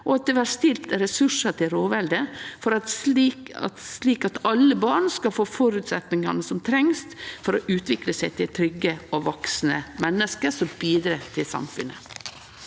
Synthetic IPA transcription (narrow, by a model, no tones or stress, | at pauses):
ʔɔɑt̪̚d̪ɛːʋæːɾst̪ɪlt̪ɛɾɛsʉʂɑt̪ʰɪlɾoːʋɛld̪əfɔɾɑ | ɑ̰t̪sliːkɑt̪ɑlːəbɑːɳskɑlfoːfɔɾʉːt̪sɛt̪nɪŋɑnəsɔmt̪ʰɾɛŋst̪fɔɾɔʔʉːt̪ʋɪkləsæɪt̪ʰɪlt̪ʰɾʏɡəɔʋɔksn̩əmɛnːəskəɾsɔmbiːd̪ɾɑt̪ʰɪlsɑ̰mfʉnːə̰